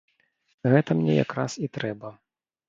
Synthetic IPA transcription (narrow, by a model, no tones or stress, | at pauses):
ɣɛt̪ɐmnʲɛja̰kɾasit̪ɾɛbɐ